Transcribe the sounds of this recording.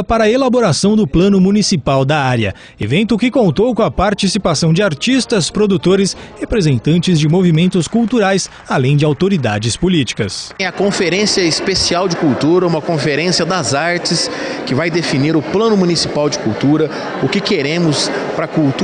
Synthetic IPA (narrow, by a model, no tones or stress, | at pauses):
ɐpaɾɐelaboɾasɐ̃w̃d̪ʊplɐ̃nʊmũnisipawd̪ɐaɾjɐ̰ | evẽnt̪ʊkɪkõnt̪owkõw̃ɐpaɾt͡ʃisipasɐ̃w̃d͡ʒɪaɾt͡ʃist̪ɐspɾod̪ut̪oɾɪshepɾezẽnt̪ɐ̃nt͡ʃɪzd͡ʒɪmovimẽnt̪ʊskuwt̪uɾajs | alẽj̃d͡ʒɪawt̪oɾid̪ad͡ʒɪspolit͡ʃi̥kɐsɐkõfeɾẽsiɐɪspesiawd͡ʒɪkuwt̪uɾɐũmɐkõfeɾẽsiɐd̪ɐzaɾt͡ʃɪs | kɪvajd̪efiniɾʊplɐ̃nʊmunisipawd͡ʒɪkuwt̪uɾɐ | ʊkɪkeɾẽmʊspɾɐkuwt̪